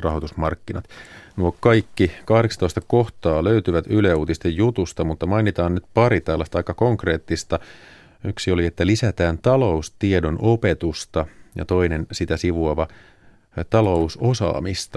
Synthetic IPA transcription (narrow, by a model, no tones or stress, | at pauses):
rɑɦot̪usmɑrkːinɑt̪nuokɑjkːikɑhdeksɑnt̪oist̪ɑkoht̪ɑːløyt̪yʋæt̪yleuːt̪ist̪ejjut̪ust̪ɑmut̪ːɑmɑinit̪ɑːnnyt̪pɑɾit̪ælːæst̪ɑɑikːɑkoŋkre̞ːt̪ːist̪ɑ | yksio̞liet̪ːælisæt̪æːnt̪ɑlo̞ust̪iedo̞nʔope̞t̪ust̪ɑjɑ̰t̪o̞inensit̪æsiʋuɑʋɑ | t̪ɑlo̞usosɑ̰ːmist̪ɑ